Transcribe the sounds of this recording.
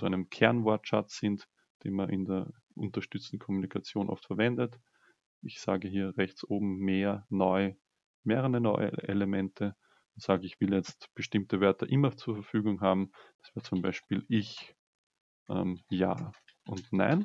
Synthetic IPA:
t͡suæɪnəmkʰɛɐnvɔɐtʃaz̥ɪnt | d̥ḛːnmanʔɪndeːɐ | ʔʊ̃ntɐʃtʏt͡stn̩kʰɔmunikʰat͡sjoːnʔɔ̰ftfɛɐvɛndət | ɪçsa̰ːɡəɦiːɐʁɛçt͡sʔoːbm̩meːɐnɔʏ | meːʁəʁənɔʏə̰ʔeləmɛntʰə | ʊntz̥aːɡəɪçv̥ɪljɛt͡stb̥əʃtɪmtəvœɐtəʔɪmɐt͡suːɐfɐfyːɡʊŋɦaːbm̩d̥ḁsv̥ɛːɐət͡sʊmba̰ɪʃpiːlʔɪç | ʔɛ̰mja̰ː | ʔʊntna̰ɪn

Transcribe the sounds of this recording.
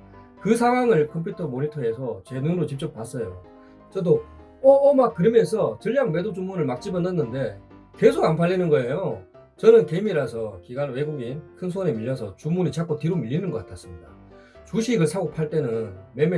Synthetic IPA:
kɯsʰaɦwaŋɯɭkʰʌmpʰjutʰʌmonitʰʌe̞sʰʌt͡ɕe̞nuŋɾot͡ɕip̚t͡ɕ͈ʌp̚p͈as͈ʌjo | t͡ɕʌdo | ʌːmak̚kɯɾʌmjʌnsʰʌtɯʎːjaŋme̞dod͡ʑumunɯɭmak̚t͡ɕ͈ibʌnʌnːɯnde̞ | ke̞sʰoɡanpʰaʎːinɯnɡʌe̞jo | t͡ɕʌnɯnke̞miɾasʰʌkiɡanwe̞ɡuɡinkʰɯns̬ʰone̞miʎːʌsʰʌt͡ɕumunit͡ɕak͈otiɾomiʎːinɯnɡʌk͈atʰas͈ɯmɲida | t͡ɕuɕʰiɡɯɭsʰaɡok̚pʰaɭt͈e̞nɯnme̞me

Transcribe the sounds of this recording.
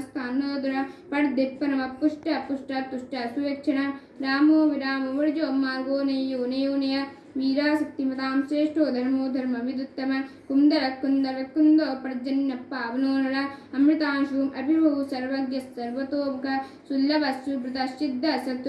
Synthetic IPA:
st̪ʰaːnːoːd̪uɾɐpɐɽd̪ipːɐnɐmɐpːuʂʈɐpuʂʈɐt̪ːuʂʈɐsuʋɐkt͡ʃʰɐɳɐ | ɾaːmoːʋiɾaːmɐʋɐɾɐd͡ʒoːmːaːlɡoːnɐjjoːnɐjoːnɐjɐ | ʋiːɾaːsɐt̪ːimɐt̪aːmseːʂʈoːd̪ʱɐɾmoːd̪ʱɐɾmɐʋid̪ut̪ːɐmɐkund̪ɐɾɐkːund̪ɐɾɐkːund̪oːpɾɐd͡ʒɐnjɐpːaːʋɐnoːnɐɽɐɐmɾit̪aːnʃuːmʔɐbʱibʱɐʋusɐɾʋɐɡjɐsɐɾʋɐt̪oːbɐkɐ | sulːɐbɐsubɾit̪ɐʃid̪ʱːɐsɐt̪

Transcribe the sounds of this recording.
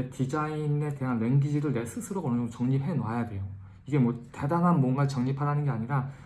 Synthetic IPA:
tid͡ʑaine̞te̞ɦanwe̞nɡid͡ʑiɾɯɭnesʰɯsʰɯɾoɡʌnɯd͡ʑoŋt͡ɕʌŋɲipʰɦe̞noɦajadwe̞jo | iɡe̞mwʌte̞daŋɦanmwʌnɡat͡ɕʌŋɲipʰaɾanɯnɡe̞aɲiɾa

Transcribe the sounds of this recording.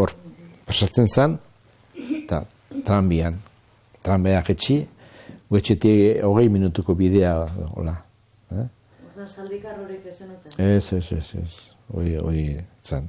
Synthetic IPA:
oɾpasat͡se̞nsan | t̪a̰ | t̪ɾambian | t̪ɾambeaxet͡ʃi | ɡwet͡ʃet̪io̞ɣ̞e̞jminut̪uko̞βiðe̞ao̰o̰la | likɾisesesesḛs | o̰io̞̰ɾisan

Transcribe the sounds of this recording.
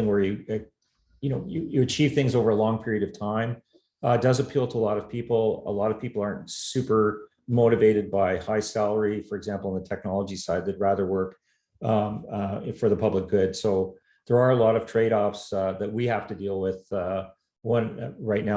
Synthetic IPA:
ɪ̃ŋwə˞jɨ | jɨñoʊjɨjɨɨt͡ʃʰiv̥θɪ̃ŋzoʊvə˞əlɔ̃ŋpʰɪɹiɨɾʌv̥tʰãɪ̃m | dʌzɨpʰilˠtʰəəlɔɾʌv̥pʰipl̩ˠə̰lɔɾʌv̥pʰipl̩ˠɑɹntsʉpə˞ | moʊɾɨveɪɾɨd̚baɪhaɪsælˠə˞ifə˞ɨɡzæ̃mpl̩ˠə̃nðətʰɛk̚nɑlˠəd͡ʒisaɪd̪̚ðɨt̚ɹæðə˞wɜ˞k | fə˞ðəpʰʌblək̚ɡ̥ʊd̥soʊ | ðə˞ə˞əlɔɾʌv̥tʰɹ̥eɪɾɔfsðɨt̚wihæftɨdilˠwɪð̥ | wʌ̃nɹaɪtⁿna

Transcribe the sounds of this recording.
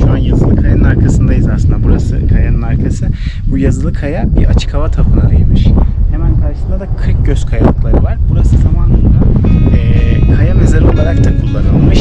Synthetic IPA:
ʃuanjazɯlˠɯkʰajanɯnaɾkʰasɯnd̪ajizasɯnd̪abuɾasɯ̰kʰajanɯnaɾkʰasɯ | bujazɯlˠɯkʰajabiɾʔat͡ʃʰɯ̥kʰavat̪ʰapʰɯnaajɯmɯʃhemænkʰaɾʃɯ̥snd̪ad̪akʰɯɾk̚ɟøz̥kʰajalˠɯklˠaɾɯvaɾbuɾasɯzamanˠɯd̪aɛkʰajamɛzaɾolˠaɾak̚t̪ʰɛkʰulˠːanɯlˠmɯʃ

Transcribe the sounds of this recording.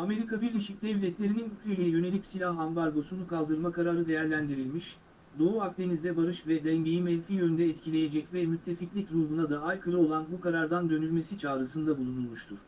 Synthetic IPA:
ame̞ɾikabiɾlʲeʃic̚d̪ɛvlʲɛt̪lʲe̞ɾininycʲɾelʲejɛjø̞ne̞lʲicsilʲahambaɾɡo̞sunukʰalˠd̪ɯɾmakʰaɾaːɾɯd̪e̞jæɾlʲænd̪iɾilʲmiʃ | d̪o̞uak̚t̪ʰe̞nizd̪ɛbaɾɯʃvɛd̪ɛɲɟe̞jimɛlʲfiːjønynd̪ɛːt̪cʰilʲe̞je̞d͡ʒɛcvɛmyt̪ʰːe̞ficlʲicɾuːbunad̪aajkʰɯɾɯo̞lˠanbukaɾaɾd̪and̪ø̞nylʲme̞sit͡ʃʰaːɾɯsɯnd̪abulˠunulˠmuʃt̪ʰuɾ̥

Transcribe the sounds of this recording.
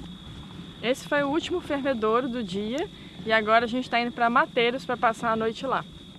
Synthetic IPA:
esɪ̥fojʊut͡ʃimʊfeɾmed̪oɾd̪ʊd͡ʒiɐ | ɪaɡɔɾɐaʒẽnt͡ʃɪ̥t̪ãd̪ʊpɾɐmat̪ejɾʊspɾɐpasaɾɐnojt͡ʃɪla

